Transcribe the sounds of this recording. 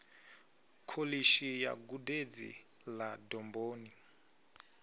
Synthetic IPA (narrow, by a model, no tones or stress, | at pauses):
kʰoliʃija̰ɡuded͡zḭ | ladɔmboːni